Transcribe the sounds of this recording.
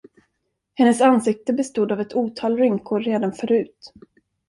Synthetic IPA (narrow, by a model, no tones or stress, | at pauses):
hɛnːəsansɪk̚t̪əbɛst̪uːd̪avɛt̪ʰuːt̪ʰɑːlɾʏŋkʰoːeːd̪anfœɾʉ̟ːt̪